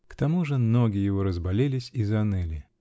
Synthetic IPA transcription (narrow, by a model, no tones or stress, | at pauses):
kt̪ɐmuʐɨnoɡʲɪjɪvo̞ɾəzbɐlʲelʲɪsʲizɐnɨlʲɪ